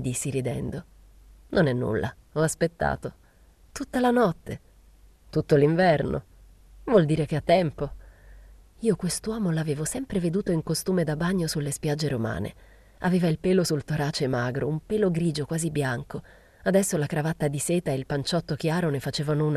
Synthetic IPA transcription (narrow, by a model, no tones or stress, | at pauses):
d̪isːiɾid̪ɛ̰nd̪o | nʔonɛnːṵlːʔa̰ | ɔaspet̪ːa̰ːt̪o | t̪ut̪ːalanɔt̪ːe | t̪ut̪ːoliɱvɛrno̰ | vwɔld̪iːɾekeat̪ːɛmpo | iːokwest̪wɔːmolaveːvosɛmpɾeved̪uːt̪oiŋkost̪uːmed̪abaɲːosulːespjad͡ʒːeɾoma̰ːnḛ | a̰veːvailpeːlosult̪oɾaːt͡ʃemaːɡɾo̰umpeːloɡɾiːd͡ʒokwaːzibːjaŋko | ad̪ɛsːolakɾavat̪ːad̪iseːt̪aelpant͡ʃɔt̪ːok̟jaːɾonefat͡ʃeːvanouna